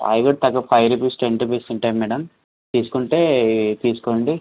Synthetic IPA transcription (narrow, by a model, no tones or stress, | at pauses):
ɐ̰jɡɐɽ̚t̪ɐɡɐpʰɐjɾupisʈeɳʈupeːst̪iɳʈɐjmːɛːɽɐm | t̪iːsu̥kuɳʈe̞ːt̪iːsu̥koːɳɖi